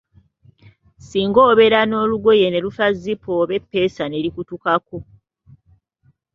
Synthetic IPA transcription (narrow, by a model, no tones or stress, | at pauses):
siːŋɡo̞ːβe̞ɾano̞ːluɡoje̞ne̞lufazːipoβe̞pːe̞ːsane̞ɾikutukako